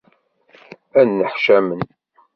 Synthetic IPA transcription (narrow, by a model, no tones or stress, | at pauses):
ænːəħʃæmən